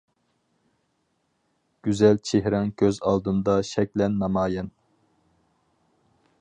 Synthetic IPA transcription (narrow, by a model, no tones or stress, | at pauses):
ɡ̥ʲyzɛlt͡ʃʰeɦɾɑŋkʲʰøzɑlˠd̪ɨnd̪ɑʃɛk̚ʲlɛnːɑmɑːjɛn